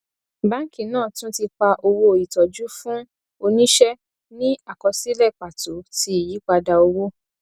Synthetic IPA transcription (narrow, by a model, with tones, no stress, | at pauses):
bã˨˦ŋ̩˦kĩ˦˨nãː˦˨tũ˦ti˧k͡pa˧ʔo˧wo˧˦˨i˨tɔ˨d͡ʒu˦fũ˦ | o˧nĩ˦ʃɛ˦ | nĩ˦a˦˨kɔ˨˧si˦lɛ˦˨k͡pa˨to˨˦ti˧˦i˨ji˨˦k͡pa˧da˧o˧wo˦